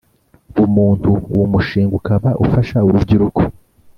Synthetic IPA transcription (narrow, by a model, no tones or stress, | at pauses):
umuːntuwumuʃiːŋɡukaβaʔṵfaʃauɾubɟiɾukʰo